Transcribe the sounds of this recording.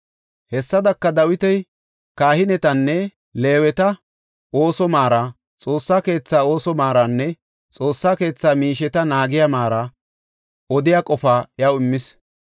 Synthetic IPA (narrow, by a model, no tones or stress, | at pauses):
hɛsːɐd̪ɐkːɐd̪ɐwɪt̪ɛj | kaːhɪnɛt̪ɐnːɛ | le̞ːwɛt̪ɐ | oːsɔmaːɾa | t͡sʼo̞ːsːaːke̞ːt͡sːaːo̞ːsɔmaːɾanːɛ | t͡sʼo̞ːsːaːke̞ːt͡sːaːmiːʃ̬ɛt̪ɐnaːɡɪjamaːɾɐ | ɔd̪ɪjakʼɔfaːjɐwɪmːɪs